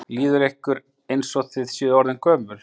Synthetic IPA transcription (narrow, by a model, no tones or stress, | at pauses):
liːðʏɾehkʏɾ | ejnsɔt̪ɪðsjɪːðɔɾðɪnkʰœːmʏl̥